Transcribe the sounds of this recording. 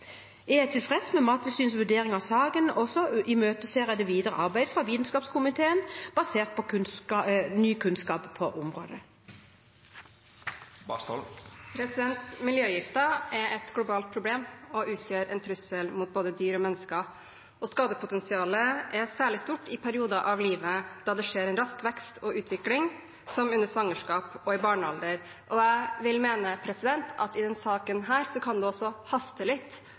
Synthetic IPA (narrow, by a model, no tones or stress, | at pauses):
ɛæt̪ʰɪlfʁɛsmɛmɑːt̪ʰəlsyːnsʋʉɖeːʁɪŋɑʋsɑːɡənɔsɔʔɪmøːt̪əseːʁəd̪ɛʋiːd̪əʁə̰ʔɑʁbæɪd̪fʁɑʋiːd̪n̩skɑːpskʰʊmɪt̪ʰeːənb̥ɑseːʁt̪̚pʰɔkʰʉnsɑnyːkʰʉnskɑːppʰːɔʔʊmʁo̰ːd̪ə | bɑ̰st̪o̰lpʰɾɛsɪd̪ɛnt̪mɪljøːjɪft̪əɛɾɛt̪ɡlʊbɑːlt̪̚pʰɾʊbleːmɔʔʉːt̪ʰjøːɾɛ̰nt̪ʰɾʉsəlmʊt̪̚boːd̪əd̪yːɾɔmɛnːəskɑ | ɔskɑːd̪əpʰʊt̪ɛnsɪɑːləʔɛsæːɭɪst̪uːʈːɪpʰæɾɪuːd̪ɑʔɑʋliːʋəd̪̥ɑd̪ɛʂeːɾɛnɾɑskʋɛkst̪ʰɔʔʉːt̪ʰʋɪklɪŋ | sɔmʉnːəʂʋɑŋːəʂkɑːpɔɪbɑːɳəɑld̪əɾ | ʔɔæɪʋɪlmeːnəpʰɾɛsɪd̪ɛnt̪ʰɑ̰t̪ɪd̪ɛnsɑːkənɦæːɾsɔkʰɑnd̪ʉɔsɔhɑst̪əlɪt̪ː